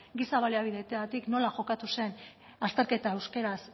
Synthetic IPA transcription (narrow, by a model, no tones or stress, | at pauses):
ɡisaβaliaβiðe̞t̪eɣat̪ikno̞laʝo̞kat̪use̞n | ast̪e̞ɾke̞t̪aewske̞ɾas